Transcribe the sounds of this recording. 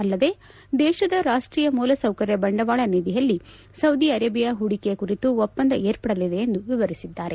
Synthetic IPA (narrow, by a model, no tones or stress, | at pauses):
ɐlːɐd̪e̞ː | d̪ɛːʃɐd̪ɐɾaːʂʈɾiːjɐmuːlɐsɐwkɐɾjɐbɐɳɖɐʋaːɭɐnid̪ijɐlːi | sɐwd̪iɐɾeːbijɐɦuɽikekuɾit̪uɔpːɐnd̪ɐe̞ːɾpɐɽɐlid̪e̞ːnd̪uʋiʋɐɾisid̪ːaːɾe̞